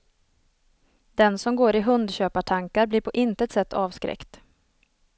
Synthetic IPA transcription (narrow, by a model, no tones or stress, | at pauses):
d̪̥ɛnsɔmɡoːɾɪɦɵnd̪ɕøːpaʈʰaŋkaɾblɪːɾpʰɔʔɪnt̪əɛt̪sɛt̪ːʰɑːvskɾɛ̰kt̪